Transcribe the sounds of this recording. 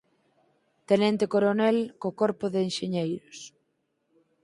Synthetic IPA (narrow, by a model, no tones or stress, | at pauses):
t̪enɛnt̪ɪkoɾonɛlkokɔɾpʊðeːnʃeɲejɾos